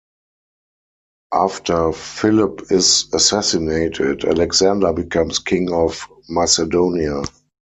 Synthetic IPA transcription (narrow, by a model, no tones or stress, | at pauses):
ʔaftʰə˞fɪlɪpɪzasæsineɪtʰɪtæ̰lɛɡzãndabikʰãmskʰɪ̃ŋɔf | masɛdõʊnia